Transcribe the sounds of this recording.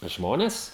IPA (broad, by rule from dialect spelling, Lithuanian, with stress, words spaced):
ˈʒmoːnʲɛs